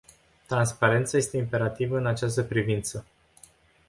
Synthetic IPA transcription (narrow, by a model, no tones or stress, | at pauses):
t̪ɾanspaɾe̞nt̪saje̞st̪e̞impe̞ɾat̪ivəɨnat͡ʃas̬t̪əpɾivint̪sə